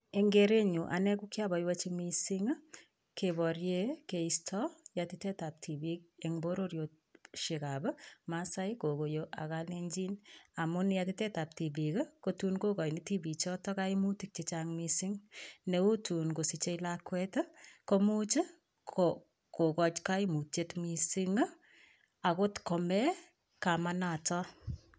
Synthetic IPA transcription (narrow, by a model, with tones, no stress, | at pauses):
eŋɡeɾe˦ɲu˨ʔa̰˨nɛ˦kukja˦bɔ˨jwa˦t͡ʃimisi˦ŋ˦ | kebɔ˨ɾje˦keistʰɔjati˦tɛ˦ta˨p̚tʰi˨bi˦k̚eŋbo˦ɾo˦ɾjo˨t̚ | ʃi˨ka˨bə˦masa˦jko˨ko˨joʔa̰˨kale˦ɲd͡ʒi˦na˨mʊ˦nja˧ti˦tɛ˦ta˨p̚ti˨bi˨kkotunko˦kɔ˨jni˦ti˦bi˨t͡ʃɔ˦tɔ˦ka˦i˦mu˦ti˦k̚t͡ʃet͡ʃaŋmisiŋne˨u˦tu˨nko˨si˨t͡ʃe˦ilakwɛtkomut͡ʃə˦ | kʰo | ko˨kɔ˨t͡ʃka˦imu˨te˧tmi˧si˦ŋ˦ | a˨ko˦tkɔ˨mɛ˦ | kamanatɔ